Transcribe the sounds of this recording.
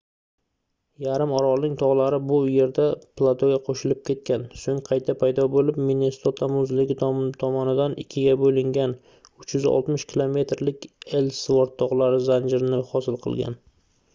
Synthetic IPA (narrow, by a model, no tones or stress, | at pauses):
jaɾɪmɒɾɒlnɪŋt̪ʰɒʁlˠaɾɪbʊje̞ɾd̪aplˠat̪ʰoɡʲaqʰoʃɪlɪp̚kʲʰe̞t̪̚kʲansoŋqʰɑjt̪ʰapʰajd̪ɒbolɪpminest̪ot̪ʰamʊzlɪɡʲɪt̪t̪ʰɒmɒnɪd̪anɪkʲʰːɪɡʲabolɪŋɡʲan | ʊt͡ʃʰjʏzɒ̰lˠt̪mɪʃkʲʰɪlˠome̞t̪ɾlɪkʲelsvoɾt̪ʰːɒʁlˠaɾɪzand͡ʒɪɾɪnɪhɒsɪlˠqʰɨ̰lˠɡʲa̰n